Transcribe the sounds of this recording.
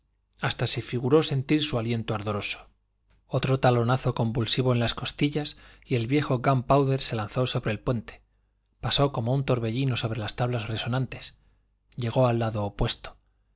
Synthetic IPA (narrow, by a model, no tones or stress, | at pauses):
ast̪ase̞fiɣuɾo̞se̞nt̪iɾsualje̞nt̪oaɾðo̞ɾo̞so̥ | o̞t̪ɾo̞t̪alo̞naθo̞ko̞mbulsiβ̞o̞e̞nlasko̞st̪iʎas | ie̞lβje̞xo̞ɣampawðe̞ɾse̞lan̟θo̞so̞βɾe̞ːlpwe̞nt̪e̞̥ | paso̞ko̞mount̪o̞ɾβe̞ʎino̞so̞βɾe̞last̪aβlazre̞so̞nãnt̪e̞s | ʎe̞ɣ̞o̞alːaðo̞ːpwe̞st̪o̥